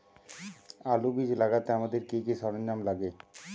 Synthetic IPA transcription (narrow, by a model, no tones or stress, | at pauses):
alubid͡ʑlaɡat̪eamad̪eɾkikiʃɔɾenːamlaɡe